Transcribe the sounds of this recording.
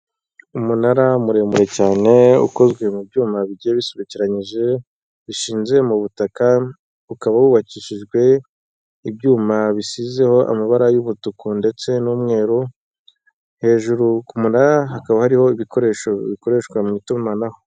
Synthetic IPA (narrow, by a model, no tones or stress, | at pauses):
umunaɾamuɾe̞muɾe̞caːne̞ṵko̞zɡwe̞mub̚ɟuːmaβiɟijeβiseβiciɾaɲiʒe̞ | βiʃiːnze̞muβutaka | ukaβawuβaciʃiʒɡwe̞ | ibɟuːmaβisize̞ho̞ʔa̰maβaɾajuβutukʰonde̞t͡se̞nuːmŋe̞ːɾu | he̞ːʒuɾukumunaɾaɦakaβahaɾiho̞iβiko̞ɾe̞ːʃo̞βiko̞ɾe̞ːʃkwamŋitumanaho̞